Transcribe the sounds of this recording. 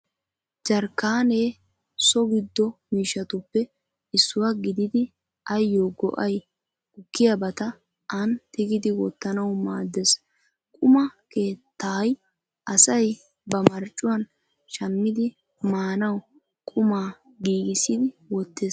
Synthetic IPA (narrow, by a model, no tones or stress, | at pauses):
d͡ʒɐɾkːaːne̞ː | sɔɡɪd̪ːɔmiːʃːɐt̪ʊpːɛ | ɪsːʊwaɡɪd̪ɪd̪ɪ | ɐjːoːɡɔ̰ʔɐj | ʊkːɪjɐbɐt̪ɐ | ʔɐnt̪ɪɡɪd̪ɪwɔ̰t̪ːɐnɐwmaːd̪ːes | kʼʊmɐke̞ːt̪ʰːaːj | ʔɐsɐj | bɐmɐɾt͡ʃʼːʊwɐn | ʃɐmːɪd̪ɪ | maːnɐw | kʼʊmaː | ɡiːɡɪsɪd̪ɪwɔt̪ːeːs